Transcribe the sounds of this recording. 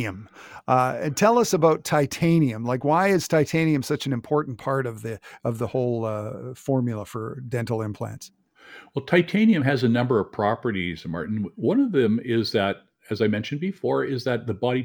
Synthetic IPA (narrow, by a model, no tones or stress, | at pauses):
ɨ̃m | ɨ̃ntʰɛlˠʌsəbaʊtʰaɪtʰẽɪ̃niɨ̃mlaɪkwaɪɨz̥tʰaɪtʰẽɪ̃niɨ̃msʌt͡ʃɨ̃n̩ɨ̃mpʰɔɹʔn̩pʰɑɹɾʌvðɨʌvðəhoʊlˠfɔɹmjl̩ˠəfə˞dɛ̃ntˡl̩ˠɪ̃mpʰl̥æ̰̃nts | wɛlˠtʰaɪtʰẽɪ̃niɨ̃mɨzɨnʌ̃mbə˞ʌv̥pʰɹ̥ɑpə˞ɾizɨmɑ̰ɹʔn̩wʌ̃nʌvðɨ̃mɪzðɨɾ | ɨzaɪmɛ̃nʃɨ̃n̩bɨfɔɹɪzðɨt̪̚ðəbɑɾi